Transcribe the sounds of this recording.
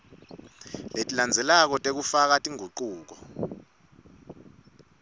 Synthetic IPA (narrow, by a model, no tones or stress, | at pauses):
letʼiland͡zʱɛlak̬ɔtʼek̬ufak̬atʼiŋuǃuːk̬ɔ